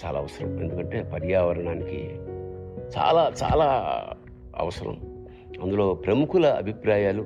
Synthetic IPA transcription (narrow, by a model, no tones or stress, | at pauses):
t͡ʃaːla̰ːʋɐsɐɾɐ̰me̞nd̪ukɐɳʈe̞ːpɐɾjaːʋɐɾɐɳaːnikḭ | t͡ʃa̰ːlaːt͡ʃa̰ːlaː | ɐ̰ʋɐsɐɾɐ̰m | ɐnd̪ulo̞ːpɾɐmukulɐɐ̰bʱipɾaːjaːlu